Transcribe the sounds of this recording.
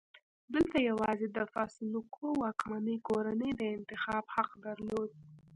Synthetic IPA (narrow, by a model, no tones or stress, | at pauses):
d̪əlt̪ajawɑzed̪əfɑsɪlukʰowɑkmanəjkoɾanəjd̪əɪnt̪ɪxɑbhaqd̪aɾlod̪̚